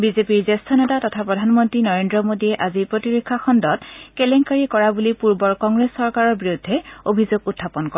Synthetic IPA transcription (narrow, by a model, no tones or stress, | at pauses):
bizepiɹzestʰɔnetatɔtʰapɹɔdʱanmɔntɹinɔɹendɹɔmodiɛʔazipɹotiɹokʰːaxɔndɔtkɛlɛŋkaɹikɔɹabulipuɹbɔɹkɔŋɡɹesːɔɹkaɹɔɹbiɹudʱːɛobʱizoɡutʰːapɔnkɔɹɛ